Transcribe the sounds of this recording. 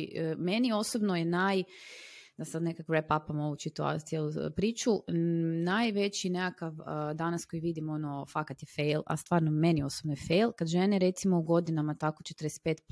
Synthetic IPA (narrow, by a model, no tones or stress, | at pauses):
menio̞sobnojenaj | d̪asad̪nekakʋɾepapamo̞usit̪ua̰t̪jelˠupɾiːt͡ʃunajʋe̞t͡ɕinekakaʋd̪anasko̞jiʋid̪imo̞nofakat̪jefejla̰st̪ʋaːɾnomenio̞sobnojefejlkad̪ʒeneɾe̞t̪simouɡo̞d̪inamat̪akot͡ʃet̪əɾdest̪̚pe̞ːt̪p